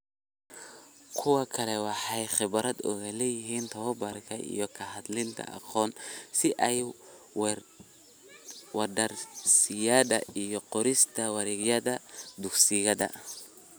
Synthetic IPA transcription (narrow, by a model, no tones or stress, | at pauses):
kʰʊwɑkʰɐlɛwɑħɑjχɪβɾɐd̪ʊ̰ɣɐlɛjɪɦiːnt̪ʰɐbɐrkʰɐʔḭjɔkʰɐɦɐd̪lɪnt̪ʰɐ̰ʔɑ̰qɔːnsɪʔɛj | w | wɐdɐrsɪjɐðɐʔijɞqɔɾɪst̪ʰɐwɑɾɪɣjɐðɐd̪ʊksɪjɐðɐ̰